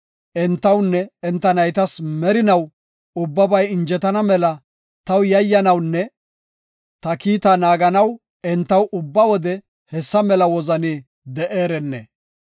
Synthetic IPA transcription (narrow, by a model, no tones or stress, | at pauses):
ʔɛnt̪ːɐwnːɛɛnt̪ːɐnɐjt̪ɐsmɛɾɪnɐw | ʊbːɐbɐjɪnd͡ʒɛt̪ɐnɐmɛlɐ | t̪ɐwjɐjːɐnɐwnːɛ | t̪ɐkiːt̪ɐnaːɡɐnɐw | ɛnt̪ːɐwʊbːɐwɔd̪ɛ | hɛsːɐmɛlɐwɔzɐni | d̪ɛʔeːɾɛnːɛ̰